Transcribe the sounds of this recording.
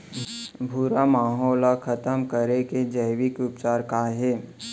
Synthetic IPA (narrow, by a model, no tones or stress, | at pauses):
bʱuɾamaːɦɔːlakʰɐt̪əmkəɾeked͡ʒɐɪʋɪkʊpt͡ʃaːɾkaɦɛː